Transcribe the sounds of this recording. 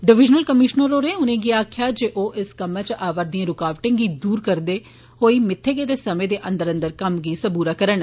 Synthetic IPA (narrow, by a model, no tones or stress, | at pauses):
ɖɪʋɪd͡ʒnəlkəmɪʃnəɾoːɾẽːʊnẽːɡiːaːkʰjaːd͡ʒeːʔoːʔɪskəmãt͡ʃəʔaːʋəɾd̪iẽːɾʊkaːʋʈɪ̃ŋɡɡiːd̪uːɾkəɾd̪eː | ɦoːiːmɪt̪ʰːeːɡeːd̪eːsəmẽːd̪eːʔə̃nd̪əɾənd̪əɾkəmɡiːsəbuːɾaːkəɾəɳ